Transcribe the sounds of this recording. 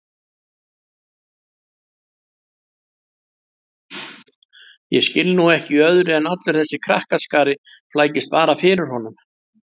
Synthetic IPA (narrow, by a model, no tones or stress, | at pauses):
jɛ̰scɪlnuɛhcɪœðɾɪɛnat̪lʏɾ̥θɛsːɪkʰɾa̰hkaskaːɾɪ | flaːjcɪst̪paːɾafɪːɾʏɾ̥hɔnʏm